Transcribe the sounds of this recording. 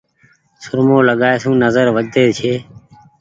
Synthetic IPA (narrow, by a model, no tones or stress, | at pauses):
sʊɾmoːləɠaːeːsũːnəzəɾʋəd͡ʒd̪eːt͡ʃʰeː